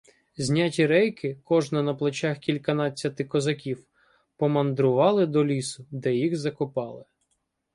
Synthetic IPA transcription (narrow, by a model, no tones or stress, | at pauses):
zʲnʲatʲiɾɛjkɪkɔʒnɐnɐplˠɔt͡ʃʲaxkʲilʲkɐnɑt͡sʲːɐt̪ɪkɔzɐkʲiw | pɔmɐnd̪ɾʊʋɑlˠɪd̪ɔlʲisʊd̪ɛjixzɐkʊpɑlˠɪ